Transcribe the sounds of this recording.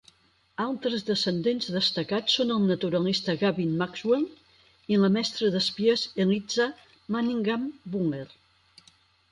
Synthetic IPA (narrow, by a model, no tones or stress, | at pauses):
alˠt̪ɾəzðəsənd̪enzðəst̪əkat͡sːonəlˠnət̪uɾəlist̪əɣaβinmakzwelˠ | iləmɛst̪ɾəðəspiəzəlid͡za | maniŋɡambuŋel